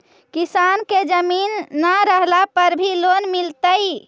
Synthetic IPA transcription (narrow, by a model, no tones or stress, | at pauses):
kisanked͡ʒəminːaɾəɦlapəɾbʱilonmilt̪əj